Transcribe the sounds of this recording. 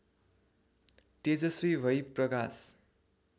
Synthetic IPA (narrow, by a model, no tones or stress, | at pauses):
t̪ed͡zʌsribʱʌjprʌkas